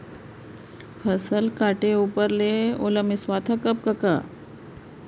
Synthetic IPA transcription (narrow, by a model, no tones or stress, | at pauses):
pʰəsəlkaʈeupəɾleo̰ləmiswat̪ʰəkəp̚kəka